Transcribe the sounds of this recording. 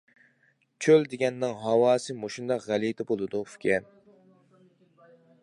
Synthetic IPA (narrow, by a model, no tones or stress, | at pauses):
t͡ʃʰøld̪eɡʲɛnːɪŋɦɑwɑːsɨmoʃund̪ɑqʁælit̪ʰɪbolˠɨd̪ufkʲʰɛn